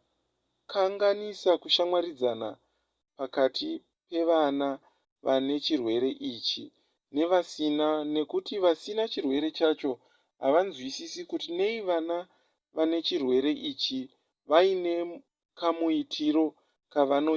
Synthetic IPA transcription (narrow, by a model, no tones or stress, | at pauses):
kʰaŋɡanisakuʃamwaɾid͡zana̰ | pakatʰi | pe̞ʋana | ʋane̞t͡ʃirwe̞ɾe̞ʔiːt͡ʃi | ne̞ʋasinane̞kutiʋasinat͡ʃirwe̞ɾe̞t͡ʃat͡ʃo̞ | ɦa̰ʋanzwisisikutine̞iʋana | ʋane̞t͡ʃirwe̞ɾe̞ʔit͡ʃi | ʋaine̞ | kamuitʰiɾo̞ | kaʋano̞ː